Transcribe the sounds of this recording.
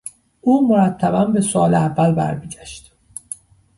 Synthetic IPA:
ʔuːmoɾæt̪ʰːæbænbesoɒ̰ːleævːælbæ̰ɾmiːɟæʃt̪

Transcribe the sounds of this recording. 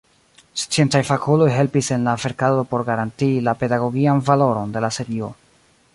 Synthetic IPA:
st͡sie̞ntajfakulo̞jɦe̞lpise̞nlafe̞ɾkado̞po̞ɾɡaɾantilape̞daɡo̞ɡianvalo̞ɾo̞nde̞lase̞ɾio̞

